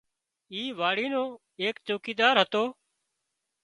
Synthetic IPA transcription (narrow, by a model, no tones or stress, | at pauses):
iːʋaːɽiːnoː | eːkt͡ʃoːkiːd̪aːɾɦət̪oː